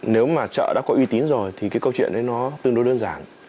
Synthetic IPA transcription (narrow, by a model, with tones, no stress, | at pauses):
ne˨˦wmaː˨˩t͡ɕə̰ː˧˨ɗa̰ː˧˥kɔ˨˦ʔwi˧t̪i˨˦nzo˨˩jt̪ʰi˨˩kaː˨˦jkə˧wt͡ɕwḭ˧˨ənʔə˨˦jnɔ˨˦t̪ɨ˧əŋɗo˨˦ɗəː˧nzaː˨˩n